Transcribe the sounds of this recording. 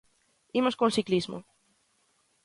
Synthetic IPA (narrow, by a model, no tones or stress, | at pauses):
imoskõŋsiklizmo̰